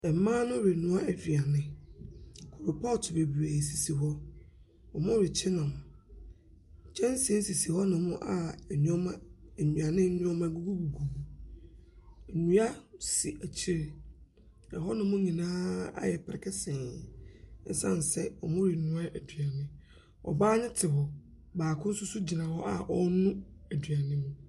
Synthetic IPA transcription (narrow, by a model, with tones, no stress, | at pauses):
ɛ˨mãː˦nʊ̃˦ɾe˨nʊ̃˨˦a˦æ˨fi˨a˨nɪ̃˦ | kʰo˨ɾo˨pʰɔ˦ltʰʊ˨be˨bu˨æ˨si˨si˨ɦɔ˦ | ɔ˨mʊ̃˦ɾɪ˨t͡ɕʰɪ˦nã˨mʊ̃˨ | t͡ɕʰɛ̃˦n˦sɛ̃˦n̩˦si˨si˨hɔ˦nʊ̃˨mʊ̃˦ʔa˦˨nũ˦ɔ˦mã˦˨nũ˨a˨nɪ̃˦nũ˦ɔ˦mã˦ɡu˦ɡu˦ɡu˨ɡu˨bu˨ | nũ˦a˦si˨ʔæ˨t͡ɕʰi˦ɾe˨ | nã̰˨ɦɔ˦nʊ̃˨˦mʊ̃˦ɲĩ˨nãː˦a̰˦jɛ˨pʰɾɛ̰˨kʰɛ˦sɛ̃˨n˦ | n̩˦sã̰˦˨n˨sɛ˦ɔ˨mʊ̃˦ɾi˨nũ˦a˦ʔæ˨dɥa˨nɪ̃˦ | ɔ̰˨baː˦ɲɪ̃˦tʰɪ˨ɦɔ˨ | baː˨kʰʊ̃˦n̩˦sʊ˦sʊ˦d͡ʑi˨nã˨hɔ˦ʔa˨ʔɔ˦nʊ̃˦æ˨dɥa˨nɪ̃˦mũ˨